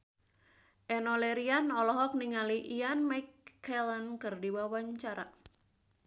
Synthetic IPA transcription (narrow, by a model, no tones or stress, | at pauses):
ʔɛnɔlɛɾianɔlɔɦɔk̚niŋaliʔianmajkːɛlənkɨrdiwawaɲt͡ʃaɾa̰